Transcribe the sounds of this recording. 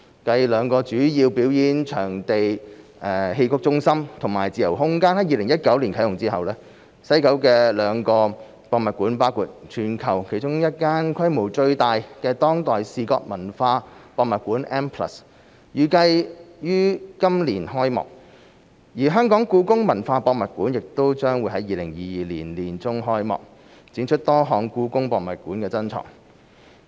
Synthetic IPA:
kɐ˧jlœː˨˧ŋkɔː˧t͡ʃyː˨˥jiː˧wpiː˨˥wjiː˨˥nt͡ʃʰœː˨˩ŋt̪e˨jʔɛ˨ɦe˧jkʊ˥k̚t͡sʊ˥ŋsɐ˥mt̪ʰʊ˨˩ŋma̰ː˨˩jt͡siː˨˩jɐ˨˩wɦʊ˥ŋkaː˥nhɐ˨˥jiː˨lɪ˨˩ŋjɐ˥t̚kɐ˨˥wliː˨˩nkʰɐ˨˥jʊ˨ŋt͡siː˥hɐ˨wlɛː˥ | sɐ˥jkɐ˨˥wkɛː˧lœː˨˥ŋkɔː˧ | pɔː˧k̚mɐ˨t̚kuː˨˥npaː˥wkuː˧t̚t͡ʃʰyː˨˩nkʰɐ˨˩wkʰe˨˩jt͡ʃʊ˥ŋjɐ˥t̚kaː˥nkʰɐ˥jmo˨˩wt͡ʃɵ˧ɥt̪aː˨jkɛː˧t̪ɔː˥ŋt̪ɔː˨jsiː˨kɔ̰ː˧k̚mɐ˨˩nfaː˧pɔː˧k̚mɐ˨t̚kuː˨˥nʔɛː˥mpʰlɐ̰˨˩s | jyː˨˧kɐ˧jjyː˥kɐ˥mliː˨˩nɦɔː˥jmɔ̰ː˨k̚ | jiː˨˩ɦœː˥ŋkɔː˨˥ŋkuː˨˥kʊ˥ŋmɐ˨˩nfaː˧pɔː˧k̚mɐ˨t̚kuː˨˥njɪ˨k̚t̪o˥wt͡ʃœː˥ŋwu˨˧˥jɦɐ˨˥jiː˨˧lɪ˨˩ŋjiː˨jiː˨liː˨˩nliː˨˩nt͡sʊ˥ŋɦɔː˥jmɔ̰ː˨k̚ | t͡siː˨˥nt͡ʃʰɵ˥t̚t̪ɔː˥ɦɔː˨˧ŋkuː˨˥kʊ˥ŋpɔː˧kmɐ̰˨˩t̚kuː˨˥nkɛː˧t͡sɐ˥nt͡ʃʰɔ̰ː˨˩ŋ

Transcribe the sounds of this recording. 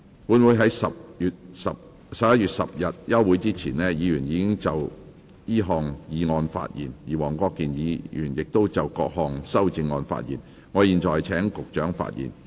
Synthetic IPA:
puː˨˥nwu˨˥jɦɐ˨˥jsɐ˨p̚jyː˨t̚sɐ˨p̚ | sɐ˨p̚jɐ˥t̚jyː˨˩t̚sɐ˨p̚jɐ˨t̚jɐ˥wːuː˨˥jt͡siː˥t͡sʰiː˨˩nlɛː˥jiː˨˧jyː˨˩njiː˨˧kɪ˥ŋt͡sɐ˨˩w | jiː˥ɦɔː˨ŋjiː˨˧ŋɔː˧nfa̰ː˧t̚jḭː˨˩njiː˨˩wɔː˨˩ŋkɔː˧kːiː˨njiː˨˧jy̰ː˨˩njɪ˨k̚t̪o˥wt͡sɐ˨wkɔː˧k̚hɔː˨˧ŋsɐ˥wt͡sɪ˧ŋːɔː˧nfa̰ː˧t̚jiː˨˩n | ŋɔː˨˧jiː˨nt͡ʃɔː˨˩jt͡sʰɛː˨˥ŋkʊ˨k̚t͡ʃœː˨˥ŋfa̰ː˧t̚jḭː˨˩n

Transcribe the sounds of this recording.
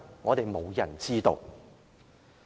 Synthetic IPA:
ŋɔː˨˧t̪e˨jmo˨˧wjɐ̰˨˩nt͡siː˥t̪o̰˨˧w

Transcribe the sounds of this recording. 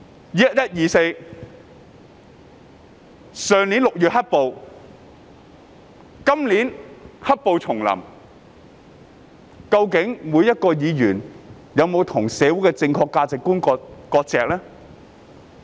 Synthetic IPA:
jjɐ˥t̚jɐ˥t̚jiː˨˩se˧j | sœː˨˧ŋliː˨˥nlʊ˨k̚jyː˨t̚hɐ˥t̚po˧w | kɐ˥mliː˨˥nhɐ˥t̚po˨wt͡sʰʊ˨˩ŋlɐ̰˨˩m | kɐ˧wkɪ˨˥ŋmuː˨˧jɐ˥t̚kɔː˧jiː˨˧jyː˨˩n | jɐ˨˧wmo˨˧wt̪ʰʊ˨˩ŋsɛː˨˧wu˨˥jkɛ˧t͡sɪ˧ŋkʰɔː˧kːaː˧t͡sɪ˨kːuː˥nkːkɔː˧t̚t͡sɛː˨˧k̚lɛː˥

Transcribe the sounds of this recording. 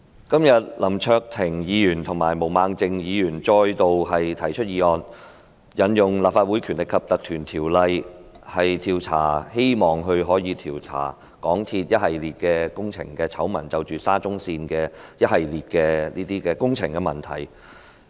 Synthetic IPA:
kɐ˥mjɐ˨˩t̚lɐ˨˩mt͡ʃʰœː˧k̚t̪ʰɪ˨˩ŋjiː˨˧jyː˨˩nt̪ʰʊ˨˩ŋmaː˨˩jmo˨˩wmaː˨˧ŋt͡sɪ˧ŋjiː˨˧jyː˨˩nt͡sɔː˧jt̪o˨wɦɐ˨jt̪ʰɐ˨˩jt͡ʃʰɵ˥t̚jiː˧ɔː˧n | jɐ˨njʊ˨ŋlaː˨p̚faː˧t̚wuː˨˥jkʰyː˨˩nlɪ˨kʰːɐ˨p̚t̪ɐ˨k̚t̪ʰyː˨˩nt̪ʰiː˨˩wlɐ˧j | hɐ˨jt̪ʰiː˨˧wt͡sʰaː˨˩he˥jmɔː˨˩ŋɦɵ˧ɥɦɔː˨˥jiː˨˧t̪ʰiː˨˩wt͡sʰa̰ː˨˩ | kɔː˨˥ŋt̪ʰiː˧t̚jɐ˥t̚hɐ˨jliː˨t̚kɛː˧kʊ˥ŋt͡sʰɪ̰˨˩ŋkɛː˧t͡sʰɐ˨˥wmɐ˨˩nt͡sɐ˨wt͡ʃyː˨saː˥t͡sʊ˥ŋsiː˧nkɛː˧jɐ˥t̚hɐ˨jliː˨t̚kɛː˧niː˥t̪iː˥kɛː˧kʊ˥ŋt͡sʰɪ˨˩ŋkɛ˧mɐ˨˩nt̪ʰɐ̰˨˩j

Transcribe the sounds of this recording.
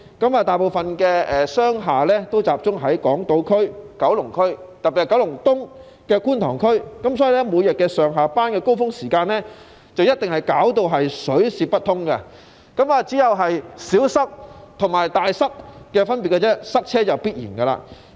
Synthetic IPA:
kɐ˨˥maː˨t̪aː˨jpo˨wfɐ˨nkɛː˧ɛː˨sœː˥ŋɦaː˨lɛː˥t̪o˥wt͡saː˨p̚t͡sʊ˥ŋɦɐ˨˥jkɔː˨˥ŋt̪o˧wkʰɵ˥ɥkɐ˨˥wlʊ˨˩ŋkʰɵ˥ɥt̪ɐ˨p̚piː˨hkɐ˨˥wlʊ˨˩ŋt̪ʊ˥ŋ | kɛː˧kuː˥nt̪ʰɔː˨˩ŋkʰɵ˥ɥkɐ˨˦msɔː˨˥jiː˨˩lɛ˥mu˨˧jɐ˨t̚kɛː˧sœː˨ŋɦaː˨˩paː˥nkɛː˧ko˥wfʊ˥ŋsiː˨˩kaː˧nlɛː˥ | t͡sɐ˨wjɐ˥t̚t̪ɪ˨ŋhɐ˨jkaː˨˥wt̪o˧wɦɐ˨jsɵ˨˥ɥsiː˧p̚pːɐ˥t̪ʰːʊ˥ŋkɐ˧ | kɐ˨˥maː˨t͡siː˨˥jɐ˨wɦɐ˨jsiː˨˥wsɐ˥k̚t̪ʰʊ˨˩ŋmaː˨˩jt̪aː˨jsɐ˥k̚ːɛː˧fɐ˥npiː˨t̚kɐ˧t͡sɛ˥sɐ˥k̚t͡sʰɛː˥t͡sɐ˨wpiː˥t̚jḭː˨˩nkɐ˧la̰ː˧

